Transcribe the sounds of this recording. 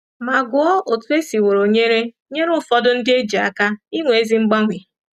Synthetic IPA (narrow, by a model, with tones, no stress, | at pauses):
ma˨ɡʊ˨˦ɔ˦ʔo˨tu˦e˦si˨wo˨ɾo˨ɲe˦ɾe˦ɲe˦ɾʊ˦fɔ˦dʊ˦n̩˦dɪ˦e˦d͡ʒi˨a̰˨ka˦i˦ŋʷe˨e˦zi˦ŋ͡m̩˦ɡ͡ba˦ŋʷi˨